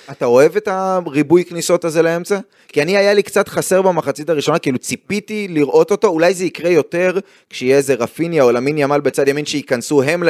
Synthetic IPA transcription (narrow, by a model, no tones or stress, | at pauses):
atao̞e̞ve̞taʁibujkniso̞taze̞lae̞mt͡sa | kianiajalikt͡satχase̞ʁbamaχat͡sitaʁiʃo̞nakiilut͡sipitiliʁʔo̞to̞to̞ulajzeikʁe̞jo̞te̞ʁ | kʃeijeeze̞ʁafinjaolaminjamalbet͡sad̪jaminʃeikansuɦe̞ml